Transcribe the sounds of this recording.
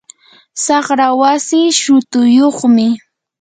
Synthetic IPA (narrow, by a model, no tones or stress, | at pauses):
sɑχɾawasiːʃʊt̪ʊjoχmɪ